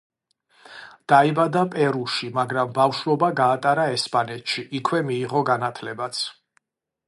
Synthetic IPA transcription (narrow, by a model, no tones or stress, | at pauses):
d̪̥aibad̪apʼɛɾuʃimaɡɾambafʃɾɔbaɡaːt̪ʼaɾaɛspʼanɛt̪ʰʃiʔikʰwɛmiːʁɔɡanat̪ʰlɛbat̪sʰ